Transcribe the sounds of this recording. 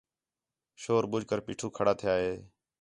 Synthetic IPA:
ʃoːɾbʊd͡ʒʱkəɾpiːʈʰuːkʰəɽaːt̪ʰɪjaːɦeː

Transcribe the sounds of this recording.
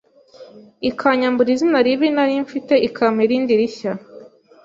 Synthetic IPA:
ikʰaɲambuɾizinaɾiβinaɾiɱfite̞ʔikʰamheɾiːndiɾiça

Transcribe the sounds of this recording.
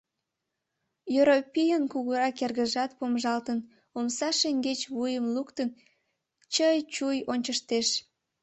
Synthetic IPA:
jøɾopʲijənkuɣuɾɑkerɣəʒɑt̪̚pomʒɑlt̪ən | omsɑʃeŋɡet͡ɕβujəmlukt̪ən | t͡ɕəjt͡ɕujonʲt͡ɕəʃt̪eʃ

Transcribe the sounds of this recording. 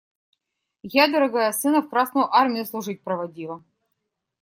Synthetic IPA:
jad̪əɾɐɡajɐsɨnəfkɾɑsnʊjʊʔɑrmʲɪjuslˠuʐɨt̚ʲpɾəvɐdʲilˠə

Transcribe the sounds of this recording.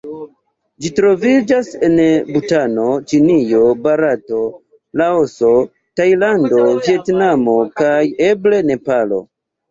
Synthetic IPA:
d͡ʒitɾo̞vid͡ʒase̞nbutano̞t͡ʃinijo̞baɾato̞ | laoso̞ | tajlando̞vie̞tnamo̞kaje̞ble̞ne̞palo̞̰

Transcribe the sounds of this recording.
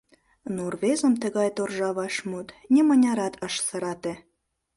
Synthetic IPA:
nurβezə̆mt̪ə̆ɣɑjt̪orʒɑβɑʃmut̪nʲemə̆nʲɑɾɑt̪əʃsə̆ɾɑt̪ĕ

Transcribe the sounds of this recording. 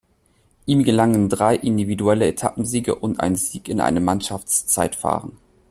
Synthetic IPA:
ʔiːmɡəlaŋəndʁaɪʔɪndividuɛləetʰa̰pm̩ziːɡə̰ʔʊntʔa̰ɪnziːkɪnʔa̰ɪnəmanʃaft͡st͡saɪtfa̰ːʁən

